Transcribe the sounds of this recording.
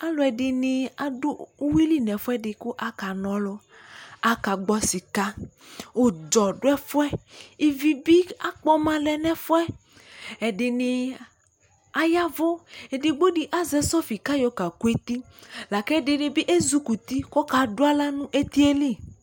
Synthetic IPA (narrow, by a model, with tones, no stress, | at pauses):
a˦lɔ˨ɛ˨ɖɪ˨nĩ˨a˨do˦wi˦li˦nɛ̃˨fo˦ɛ˦ɖɪ˨ku˦ʔa˨ka˨nɔ̃˨lɔ˦ | a˨ka˨ɡ͡bɔ˨si˨ka˦ | wo˦d͡ʒɔ˨ɖo˦ɛ˦fo˦ɛ˦i˦vi˨bi˦a˦k͡pɔ˦mã˦lɛ˨nɛ̃˦fo˦ɛ˦ | ɛ˨ɖɪ˨nĩ˨ | a˨ja˦vo˦ɛ˨di˨ɡ͡bo˦ɖi˨ʔa˦zɛ˨sɔ˦fi˨ka˦jɔ˨ka˨ku˦e˦t̪i˦ | la˨kɛ˦˨ɖɪ˨ne˨bi˦ʔe˦zu˦ku˨t̪i˦kɔ˦ka˨ɖo˦a˦la˦nũ˦ʔe˦t̪i˦e˦li˦˨